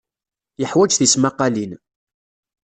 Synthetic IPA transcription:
jəħwæd͡ʒθismaqɑlin

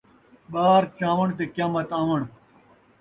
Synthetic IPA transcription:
ɓaːɾt͡ɕãːwɐɳt̪̬ekjaːmɐt̪ãːʋɐɳ̃

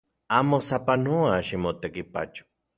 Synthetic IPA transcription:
amosapanoaʃimot̪ekipa̰t͡ʃo̥

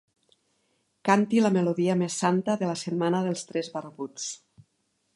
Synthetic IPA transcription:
kant̪ilameloðiəmesːant̪əðelasemmanəðəlˠst̪ɾɛzβarβut͡s

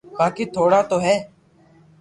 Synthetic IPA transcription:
baːkiːt̪ʰoːɽaːt̪oːɦɛː

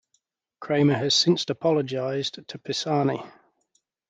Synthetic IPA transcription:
kʰɹ̥eɪməəz̥sɪ̃nsəpʰɒləd͡ʒaɪz̥tʰəpʰɪsɑːni

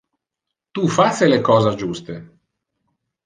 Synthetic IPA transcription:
t̪ufasːelekɔːzad͡ʒust̪e

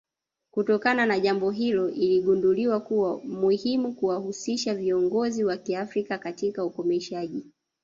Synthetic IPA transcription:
kutɔkananaʄambɔɦilɔʔiliɠunduliwakuwamuhimukuwahusiʃaviɔŋɡɔziwakiafɾikakatikaukɔmɛʃaʄi

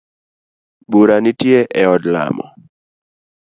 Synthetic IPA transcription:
buɾanitjeʔɛɔdla̰mɔ̰

